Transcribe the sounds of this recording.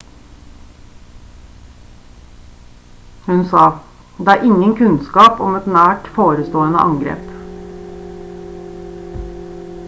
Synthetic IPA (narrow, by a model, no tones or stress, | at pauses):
hʉnsɑː | d̪eːæːɾʔɪŋəŋkʰʉnskɑːpɔmɛt̪næːʈfoːɾəst̪oːənə̰ʔɑŋɡɾḛːp